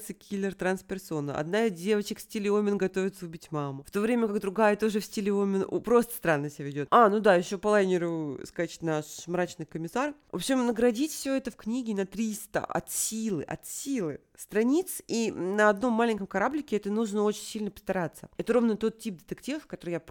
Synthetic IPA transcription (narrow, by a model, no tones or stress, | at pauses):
t̪səkʲʰilʲɪrt̪ɾanspʲɪrso̞nəʔɐ̰d̪naizʲdʲe̞vət͡ɕɪksʲtʲɪlʲɪomʲɪnɡɐt̪ovʲɪt̪səʊbʲitʲmamʊft̪o̞vɾʲemʲəkakd̪ɾʊɡajət̪o̞ʐɨfsʲtʲɪlʲɪomʲɪn̰pɾo̞st̪ə̥st̪ɾanːəsʲɪavʲɪdʲo̞t̪anud̪aɪɕːo̞pəlˠanʲɪɾʊskat͡ɕɪ̥tʲnaʂmɾat͡ɕnɨjkəmʲɪsarvopɕɪmnəɡɾɐdʲitʲfsʲoɛt̪əfknʲiɡʲɪnɐt̪ɾʲist̪ə̰ʔɐ̰t̪sʲilˠɨʔɐ̰t̪sʲilˠɨ | st̪ɾɐnʲit̪sinəɐd̪no̞mːalʲɪnʲkəmkɐɾablʲɪkʲɪɛt̪ənuʐnəo̞t͡ɕɪnʲsʲilʲnəpə̥st̪ɐɾat̪sːəɛt̪əɾo̞vnət̪o̞t̪tʲːip̚d̪ʲɪt̪ɨktʲivəfkɐt̪o̞ɾɨjap